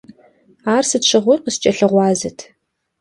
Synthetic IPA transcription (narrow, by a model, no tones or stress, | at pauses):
aːrsɨtɕʰʼɨʁʷʊrqəst͡ʃʼɐɬɨʁʷɑːzɨtʰ